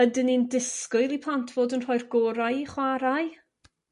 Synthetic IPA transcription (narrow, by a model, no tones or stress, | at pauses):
ədɪnindɪskʊɨlˠipʰlˠantʰv̥oːdənr̥ɔjrɡ̥oːɾajχwaɾaj